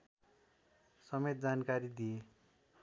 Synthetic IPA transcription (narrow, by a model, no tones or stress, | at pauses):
sʌmet̪̚d͡zankaɾid̪ije